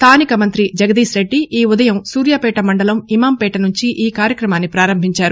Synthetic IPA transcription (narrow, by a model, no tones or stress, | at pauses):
st̪ʰaːnikɐmɐnt̪ɾid͡ʒɐɡɐd̪iːsɾe̞ɖːiʔiːud̪ɐjɐmsuːɾjaːpɛːʈɐmɐɳɖɐlɐmimaːmpɛːʈɐnuɲt͡ʃiʔiːkaːɾjɐkɾɐmaːnːipɾaːɾɐmbʱiɲt͡ʃaːɾu